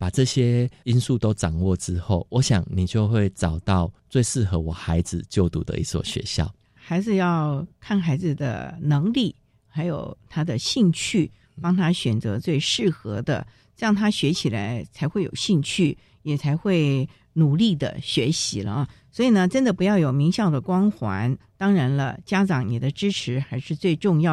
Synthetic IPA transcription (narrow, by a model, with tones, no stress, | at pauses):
pa˨˩ʈ͡ʂɤ˥˨˧ɕjɛ˦i˦nsu˥˨t̪o˥ʊʈ͡ʂɑ˨˩ŋwɔ˥˨ʈ͡ʂɻ̩˦xo˥˩ʊwʔɔ˧˦ɕjɑ˨˩ŋni˨˩t͡ɕjo˥˧ʊxwe˥˩ɪʈ͡ʂɑ˨˩ʊt̪ɑ˥˨ʊt͡swe˥˧ɪʂɻ̩˥˩˨xɤ˧˥wɔ˨˩xa˧˥ɪd͡zɹ̩˨t͡ɕjo˥˩ʊt̪ṵ˨˩d̪ə̰˧ḭ˥swɔ̰˨˩ɕɥɛ̰˧˦ɕjɑ̰˥˨ʊ | xa˧˥ɪd͡zɹ̩˨˧jɑ˥˩ʊkʰa˥˩nxa˧˥ɪd͡zɹ̩˨d̪ə̰˩nɤ˧˥ŋli˥˩ | xa˧˥ɪjo˨˩ʊt̪ʰa˥d̪ə˨ɕi˥˧ŋt͡ɕʰy˥˩ | pɑ˥ŋt̪ʰa˥ɕɥɛ˨˩nt͡sɤ̰˧˥t͡swe˥˧ɪʂɻ̩˥˩xɤ̰˧˥d̪ə̰˧ | ɻɑ˥˩ŋt̪ʰa˥ɕɥɛ˧˥t͡ɕʰi˨˩la̰˧˥ɪt͡sʰa˨˧˥ɪxwe˥˩ɪjo̰˨˩ʊɕi˥˧ŋt͡ɕʰy˥˩ | jɛ˨˩t͡sʰa˧˥ɪxwe˥˩ɪ | nu˨˩li˥˩d̪ə̰˩ɕɥɛ˧˥ɕḭ˧˥lə̰˧ | swɔ˧˥i˨˩nə˦ʈ͡ʂə˥nd̪ə˨pu˧˥jɑ˥˩ʊjo˨˩ʊmi˧˥ŋɕjɑ˥˩ʊd̪ə˩kwɑ˥ŋxwa̰˧˥nt̪ɑ˥ŋɻa˧˥nlə̰˧t͡ɕja˥ʈ͡ʂɑ˧˥ŋni˨˩d̪ə˦ʈ͡ʂɻ̩˥ʈ͡ʂʰɻ̩˧˥xa˧˥ɪʂɻ̩˥˧t͡swe˥˧ɪʈ͡ʂʊ˥˧ŋjɑ˥˩